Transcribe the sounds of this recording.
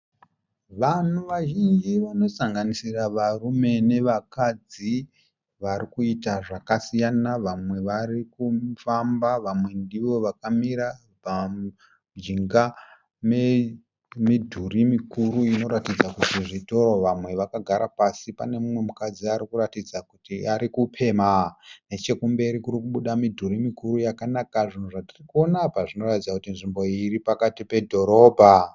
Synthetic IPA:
ʋan̤uʋaʒind͡ʒiʋano̞saŋɡanisiraʋarume̞ne̞ʋakad͡zi | ʋaɾikuitaʐakasijanaʋamwe̞ʋarikufambaʋamwe̞ndiʋo̞ʋakamiɾa | pa | d͡ʒiŋɡa | me | midʱurimikuɾuino̞ɾatid͡zakutiʐito̞ɾo̞ʋamwe̞ʋakaɡʱaɾapasipa̰ne̞mumwe̞mukad͡ziaɾikuratid͡zakutiaɾikupʰe̞ːmane̞t͡ʃe̞kumbe̞ɾikuɾikuɓuɗamidʱurimikuɾujakanakaʐin̤uʐatirikuo̞napaʐino̞ratid͡zakutinʐimbo̞iripakatipe̞dʱo̞ɾo̞ːbʱa

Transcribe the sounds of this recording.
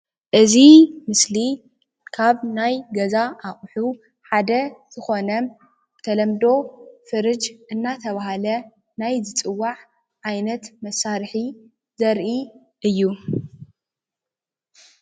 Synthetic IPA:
ʔɨzimɨsli | kʰaβnajɡɐzaʔaχʼħu | ħad̪ɐz̥ɨxo̞nɐm | t̪ʰɐlɐmd̪o̞fɨɾɨd͡ʒʔɨnːat̪ʰɐβaɦalɐ | najzɨt͡sʼɨwːaʕ | ʕajnɐt̪mɐsːaɾħi | zɐɾʔi | ʔɨjːu

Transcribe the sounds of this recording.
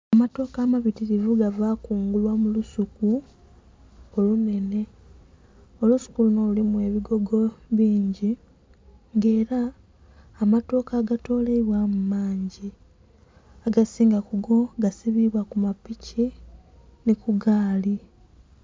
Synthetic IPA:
amato̞ːkaːmaβitiɾivuɡavaːkuːŋɡulwamulusuku | olune̞ne̞ | o̞lusu̥kuluno̞lulimue̞ːβiɡo̞ɡo̞βiːɲɟi | ŋɡe̞ːɾaː | mato̞ːkaːɡato̞ːleiβwamumaːɲɟi | aɡasiːŋɡakuɡo̞ɡasiβiβwakumapici | nikuɡaːli

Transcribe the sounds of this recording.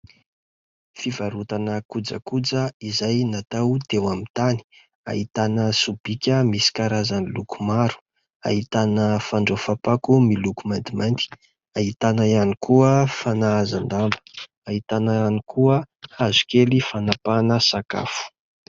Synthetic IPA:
fivaɾut̪anəkud͡zə̰kud͡zəizajnat̪awt̪ewamint̪ani̥ | a̰ɦit̪anəsub̥ikʲəmisi̥kaɾazanilukumaɾu̥ | a̰ɦit̪anəfaɳɖ͡ʐofapakumilukumand̪imajnt̪i̥ | aɦit̪anajanikʰuəfanaazand̪ambə̥ | aɦit̪anaanikuə | hazu̥kelifanapanəsaka̰fu̥

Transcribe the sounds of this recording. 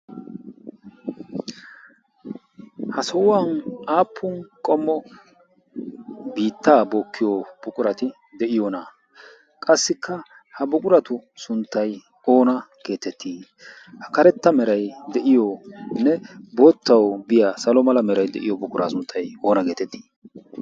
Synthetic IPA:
hɐsɔwanaːpʰːʊnkʼɔmːɔ | biːt̪ːaːboːkːɪjob̥ʊkʼʊɾɐt̪ɪ | d̪ɛʔɪjɔna | kʼɐsːɪkʰːɐ | hɐbʊkʼʊɾɐt̪ʊsʊnt̪ːɐj | o̞ːnɐɡ̥e̞ːt̪ɛt̪ʰːiː | hɐkɐɾɛt̪ːɐmɛɾɐjd̪ɛʔɪjɔnːɛboːt̪ːɐwbɪjaːsɐlɔmɐlɐmɛɾɐjd̪ɛ̰ʔɪ̰jɔbʊkʼʊɾa̰ːsʊnt̪ʰːɐjo̞ːnɐɡe̞ːt̪ɛt̪ʰːi̥ː

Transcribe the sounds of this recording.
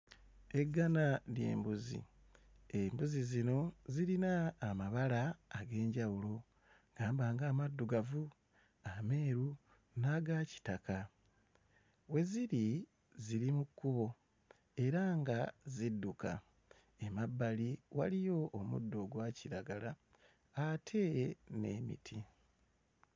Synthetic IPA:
e̞ɡːanalje̞̰ːmbuzḭ | embuzizino̞ziɾinaːmaβalaːɡe̞ːɲɟawulo | ɡ̥aːmbaːŋɡaːmadːuɡavu | ame̞ːɾu | naːɡaci̥taka | we̞ziɾi | ziɾimukːuβo̞ | e̞ɾaŋɡazidːuka̰ | emabːaliwalijo̞ʔːmṵdːo̞ɡwaːciɾaɡalaː | tʰe̞ne̞̰ːmḭtʰi

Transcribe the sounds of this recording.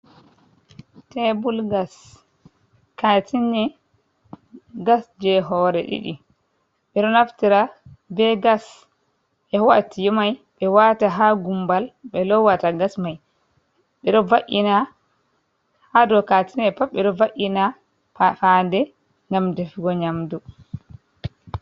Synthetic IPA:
tɛbulɡas | katʰinɛ | ɡasd͡ʒɛɦɔɾɛɗḭɗi | ɓɛɗɔnaftiɾabɛɡas | ʔɛwatijɔmajɓɛwataɦaɡumbalɓɛlɔwataɡasmaj | ɓɛɗɔvaʔina | hadɔkatinɛpafɓɛɗɔvaʔina | fafandɛ | ŋɡamd͡ʒefiɡɔɲamdu

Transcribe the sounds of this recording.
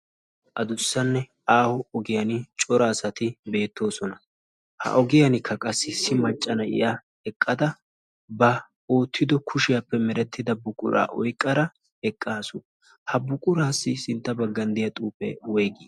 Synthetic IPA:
ʔɐd̪ʊsːɐnːɛ | aːhɔɔɡɪjɐnɪt͡ʃʼɔɾɐːsɐt̪ɪbe̞ːt̪ːo̞ːsɔnɐ | hɐ̰ʔɔɡɪjɐnɪkʰːɐkʼɐsːɪsɪmɐt͡ʃʼːɐnɐʔɪ̰ja | ɛkʼːɐd̪ɐ | bɐ | oːt̪ʰːɪd̪ɔkʰʊʃɪjɐpːɛmɛɾɛt̪ːɪd̪ɐbʊkʼʊɾa̰ːʔɔjkʼːɐɾɐ | ɛkʼːaːsʊ | hɐbʊkʼʊɾaːsːɪsɪnt̪ːɐbɐɡːɐnd̪ɪjɐt̪ʼuːpːɛ̰wɔjɡiː

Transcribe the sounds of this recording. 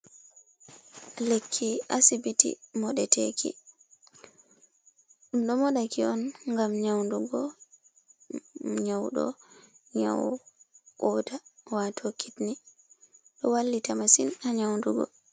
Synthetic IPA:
lekʰːiasibitḭmɔɗɛtʰekʰḭ | ɗunɗɔmɔɗakiɔnŋɡamɲawnduɡɔ | ɲawɗɔ̰ | ɲa̰w | kɔtawatʰokʰːitni | ɗɔwalːitamasinaɲawnduɡɔ̰

